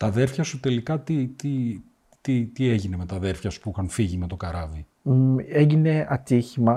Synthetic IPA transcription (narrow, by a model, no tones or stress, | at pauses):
t̪ɐðeɾfçɐsut̪e̞likɐt̪it̪i | t̪it̪ieʝine̞me̞t̪ɐðe̞ɾfçɐsu̥pixɐnfiʝime̞t̪o̞kɐɾɐvi | eʝine̞ɐt̪içimɐ